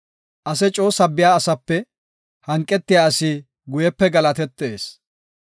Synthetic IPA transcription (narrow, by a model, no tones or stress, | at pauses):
ʔɐsɛt͡ʃʼo̞ːsɐbːɪjaːɐsɐpːɛ | hɐŋkʼːɛt̪ːɪjaːɐsɪ | ɡʊjɛpːɛɡɐlɐt̪ɛt̪ːeːs